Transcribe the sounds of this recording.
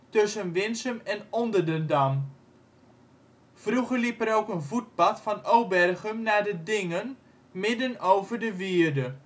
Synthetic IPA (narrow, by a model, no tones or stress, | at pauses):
tɵsənʋɪnsəmɛnɔndərdəndɑm | v̥ruχəɹlipəɾowkənvud̚bɑtfɑnowbɛrχəmnaːdədɪŋən | mɪdənowvərdəʋiədə